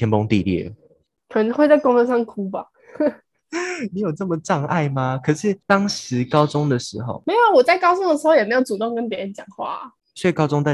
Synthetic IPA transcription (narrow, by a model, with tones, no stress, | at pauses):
jɛ˧˥npo˦ŋt̪ḭ˥˧ljɛ̰˥˩ | kʰə˨˩ə˧˦nxwe˥˧t͡sa˥˩ɪko˥ŋtə˥˧ŋʂɑ˥˩ŋkʰu˥ba˨ | ni˧˥jo˨˩ʊʈ͡ʂə˥˩mə˨ʈ͡ʂɑ˥˧ŋa̰˥˧˩ɪma˧kʰɤ˨˩ʂɻ̩˥˩t̪ɑ˥ŋʂɻ̩˨˧˦kɑ˥ʊt͡sʊ˦ŋd̪ə˨ʂɻ̩˧˥xo˥˩ʊme˧˥ɪjo˨˩ʊwɔ˨˩t͡sa˥˩ɪkɑ˥ʊt͡sʊ˥ŋd̪ə˨ʂ̬̩˧˥xo˥˧ʊjɛ˨˩me˧˥jo˧˩ʊt͡su˨t̪o˥˨ŋkə˦˥nt̪jɛ˧˥ə˧˥nt͡ɕjɑ˨˩ŋxwa̰˥˩˨ | swe˥˩i˨˩kɑ˥ʊt͡sʊ˥˦ŋt̪a˥˩